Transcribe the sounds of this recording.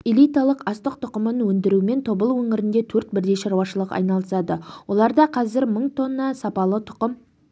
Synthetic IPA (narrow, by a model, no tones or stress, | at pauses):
elʲijt̪ɑlˠəqɑst̪əq̚t̪ʰʊqəmənwɵnd̪ɪɾume̞nt̪ʰo̞bəlˠwɵŋɪɾɪnd̪e̞t̪ʰɵɾt̪̚bɪɾd̪e̞ʃɑɾwɑʃəlˠəqɑ̰jnɑlˠəsɑd̪əwʔo̞lˠɑɾd̪ɑqʰɑzɪɾməɴt̪ʰo̞nːɑsɑpɑlˠət̪ʰʊ̥qəm